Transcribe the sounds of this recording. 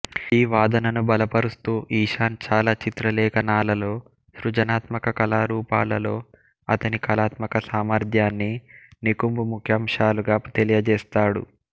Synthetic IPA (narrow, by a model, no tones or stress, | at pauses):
iːʋaːd̪ɐnɐnubɐlɐpɐɾust̪uːʔiːʃaːnt͡ʃaːlaːt͡ʃit̪ɾɐlɛːkɐnaːlɐlo̞ː | ʃɾud͡ʒɐnaːt̪mɐkɐkɐlaːɾuːpaːlɐlo̞ː | ɐ̰t̪ɐnikɐlaːt̪mɐkɐsaːmɐɾd̪ʱjaːnːinikumbumukʰjaːmʂaːluɡaːt̪elijɐd͡ʒɛːst̪aːɽṵ